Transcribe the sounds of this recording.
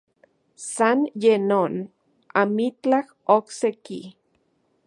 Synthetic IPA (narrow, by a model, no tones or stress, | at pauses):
sanjenon | a̰mit͡ɬah | okseki